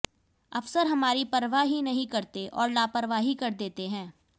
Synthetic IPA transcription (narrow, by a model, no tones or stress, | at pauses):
ɐfsəɾɦɐmaːɾipɐɾʋaɦinɐɦĩkɐɾt̪eʔɔːɾlaːpəɾʋaːɦikɐɾd̪eːt̪eɦɛ̃ː